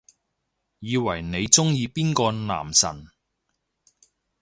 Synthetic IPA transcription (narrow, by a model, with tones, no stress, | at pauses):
jiː˨˧wɐ˨˩jne˨˧jt͡sʊ˥ŋjiː˧piː˥nkɔː˧na̰ː˨˩msɐ̰˨˩n